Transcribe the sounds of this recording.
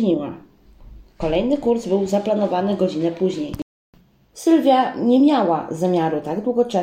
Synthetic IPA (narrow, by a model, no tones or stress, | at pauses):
ɲiwa̰ | kɔlɛjnɘkuɾzbɘwzaplan̪ɔvanɘɡɔd͡ʑinɛpuʑɲej | sɘlvʲjaɲɛmʲjawa̰zamʲjaɾut̪aɡd̪wuɡɔt͡ʂɛ